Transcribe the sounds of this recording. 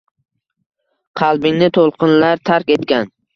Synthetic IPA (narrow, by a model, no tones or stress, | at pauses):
qʰɑlˠbɪŋnɪt̪ʰolˠqʰɨnlaɾt̪ʰaɾkʲe̞t̪kʲan